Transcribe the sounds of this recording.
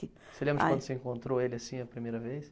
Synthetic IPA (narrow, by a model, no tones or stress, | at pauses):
ɪ | seɪlẽmbɾɐkkɐ̃d̪ʊsɪẽŋkõnt̪ɾoelɪasĩɐpɾimejɾɐvejs